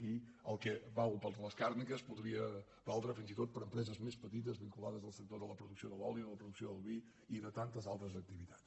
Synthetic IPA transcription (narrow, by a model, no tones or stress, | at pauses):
kiəlˠkɛβawpəɾðləskaɾnikəspuðɾiə | balˠd̪ɾafinzit̪ot̪̚pəɾəmpɾɛzəzmespət̪it̪̬əzβiŋkulaðəzðəlˠsək̚t̪oðələpɾuðuksioðəlɔljiuðələpɾuðuksioðəlˠβi | iðət̪ant̪əzalˠt̪ɾəzək̚t̪iβit̪ḁs